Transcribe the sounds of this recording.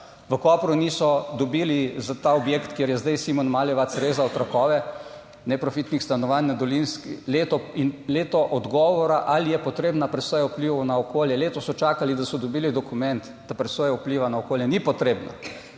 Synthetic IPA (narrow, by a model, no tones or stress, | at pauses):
ʋəkɔːpɾunisɔd̪ɔbilizat̪aɔbjekt̪kjeɾjɛzd̪ajsimɔnmaːljɛʋat̪sɾeːzaɔt̪ɾakɔːʋɛ | nɛpɾɔfit̪nixst̪anɔʋannad̪ɔlinskileːt̪ɔinleːt̪ɔʔɔd̪ɡɔːʋɔɾaʔalijɛpɔt̪ɾeːbnapɾɛsɔːjaupliʋɐwnaɔkoːljɛleːt̪ɔsɔt͡ʃakalid̪asɔd̪ɔbiːlid̪ɔkumɛnt̪ | d̪̥apɾɛsɔjɛupliːʋanaokoːljɛnipɔt̪ɾeːbna̰